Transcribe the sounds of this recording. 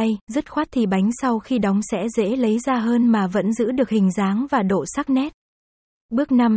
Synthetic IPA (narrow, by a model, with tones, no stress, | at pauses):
jzə˦˥t̚xwaː˦˥t̚t̪ʰi˨˩ɓa˨˦jŋ̟sa˧wxi˧ɗɔ˨˦wŋ͡msɛ̰˧˥zḛ˧˥lə˨˦jzaː˧ɦəː˧nmaː˨˩və̰˧˥nzɨ̰˧˥ɗɨ˨˩ək̚hï˨˩ŋ̟zaː˨˦ŋvaː˨˩ɗo̰˧˨sa˦˥k̚nɛ˦˥t̚ | ɓɨ˦˥ək̚na˧m